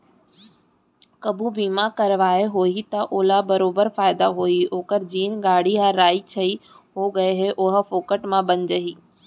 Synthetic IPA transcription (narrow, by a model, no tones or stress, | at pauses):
kɐbubiːmakɐɾʋaːeɦoːit̪ɐʔoːlabɐɾoːbəɾfaːɪd̪aɦoioːkəɾd͡ʑiːnɡaːɽ̤iɦaɾaːit͡ʃʰɐi | ɦoːɡɐeɦeʔʊɦ̆foːkəʈmãbɐɲd͡ʒɐɦiː